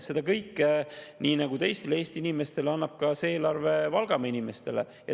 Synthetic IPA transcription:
se̞d̪̥ɑkɤjkːniːnɑɡ̥ut̪e̞jst̪eleeːst̪iinime̞st̪e̞leɑnːɑb̥̚kɑseeːlɑrve̞vɑlɡ̥ɑmɑinime̞st̪e̞̰le̞̰ | jɑ̰

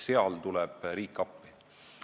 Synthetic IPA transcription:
seɑlt̪ulɛb̥riːkːˑɑpːi̥

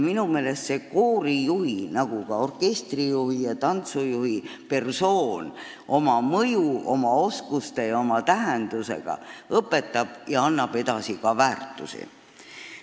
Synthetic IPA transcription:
minume̞ːle̞st̪se̞koːɾijuhinɑɡ̥ukɑo̞rke̞st̪rijuhijɑt̪ɑnt̪sujuhipe̞rso̞ːn | ʔo̞mɑmɤjuo̞mɑo̞skust̪e̞jɑo̞mɑt̪æɦend̪̥use̞̰ɡ̥ɑ̰ɤpːe̞t̪ːˑɑb̥jɑɑnːɑb̥e̞d̪̥ɑsikɑvæːrt̪ːˑusḭ

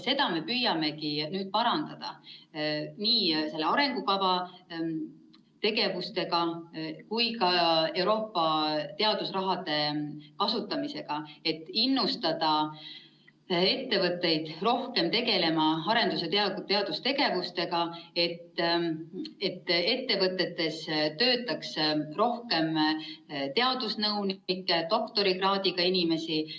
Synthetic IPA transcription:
se̞d̪̥ɑme̞pyːjɑme̞kinyːd̪̥̚pɑɾɑnd̪̥ɑd̪̥ɑ̰ | niːse̞lːeɑɾe̞ŋɡ̥ukɑvɑ | t̪e̞ɡe̞vust̪e̞ɡɑkujkɑe̞wɾo̞ːpːɑt̪e̞ɑd̪̥usrɑɦɑd̪e̞kɑsut̪ːˑɑmise̞ɡ̥ɑe̞t̪ːˑinːust̪ɑd̪̥ɑ | e̞t̪ːe̞vɤt̪ːe̞jd̪̥ro̞hke̞mt̪e̞ɡe̞le̞mɑɑɾe̞nd̪uset̪t̪eɑd̪ust̪e̞ɡe̞vust̪e̞ɡ̥ɑe̞t̪ː | e̞t̪ːe̞t̪ːe̞vɤt̪ːˑe̞t̪ːe̞st̪ø̞ːt̪ːˑɑksro̞hke̞m | t̪e̞ɑd̪̥usnɤwnkːˑet̪o̞kt̪o̞ɾiɡrɑːd̪̥iɡ̥ɑinime̞si

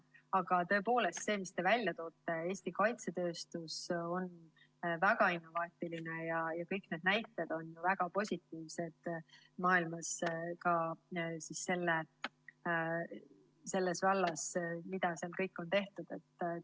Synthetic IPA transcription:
ɑɡ̥ɑt̪ɤ̞epo̞ːle̞st̪se̞ːmist̪e̞vælʲjɑt̪o̞ːt̪ːˑe̞e̞ːsʲt̪ikɑjt̪se̞t̪ø̞ːst̪uso̞n | væɡ̥ɑinːo̞vɑːt̪ˑilinejɑjɑkɤjkne̞d̪̥̚næjt̪ːˑe̞d̪̥o̞njuvæɡ̥ɑpo̞sʲit̪ːˑiːvse̞d̪̥ | mɑːilmɑskɑsisse̞lːe | se̞lːesvɑlːɑsmid̪̥ɑseɑlkɤjkːˑo̞nt̪e̞ht̪ud̪̥e̞t̪ːˑ

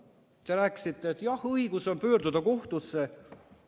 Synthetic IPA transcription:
t̪e̞ɾæːkːˑsit̪ːˑeːt̪ːˑjɑhɤiɡ̥uso̞npøːrd̪ud̪ɑko̞ht̪usːe̞

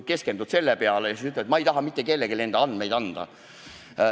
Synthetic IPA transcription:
ke̞skend̪ud̪̥se̞lːepeɑlejɑsit̪yt̪ːlet̪mɑejt̪ɑɦɑmit̪ːˑeke̞lːeɡele̞nd̪̥ɑɑnd̪me̞jd̪̥ɑnd̪̥ɑ̰

